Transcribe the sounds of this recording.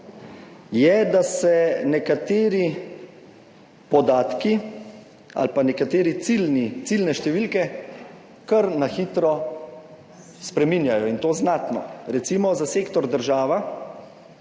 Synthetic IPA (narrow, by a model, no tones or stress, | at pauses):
jɛd̪asɛnɛkat̪eːɾi | pɔd̪aːt̪ki | a̰lpanɛkat̪eːɾit̪silnit̪silnɛʃt̪ɛʋilkɛ | kəɾnaxiːt̪ɾɔ | spɾɛminjajɔint̪oːznat̪nɔ̰ɾɛt̪siːmɔzaseːkt̪ɔɾd̪əɾʒaːʋa